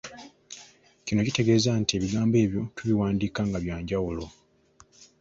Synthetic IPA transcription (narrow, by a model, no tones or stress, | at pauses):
cino̞cite̞ɡe̞ːzantie̞ːβiɡaːmbe̞ːβjo̞tuβiwaːndiːkaːŋɡaβjaːɲɟawulo̞